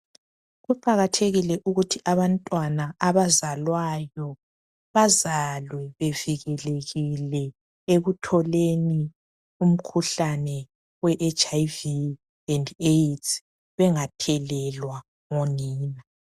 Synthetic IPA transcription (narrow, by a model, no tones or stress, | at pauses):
ɣuǃaɣatʰeɣilɛʔuɣutʰiʔaβantʼwanaːβazalwajɔ | βazalwɛβeviɣɛleɣilɛ | eɣutʰɔleni | um̩kʰuɬanɛ | wɛʔet͡ʃaivi | ɛndetʰ | βɛŋatʰɛlɛlwa | ŋoniːna